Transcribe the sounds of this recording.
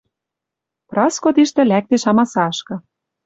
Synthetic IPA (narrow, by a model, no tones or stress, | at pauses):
prɑskot̪iʃt̪ɘ̆læk̚t̪eʃɑmɑsɑʃkɤ̆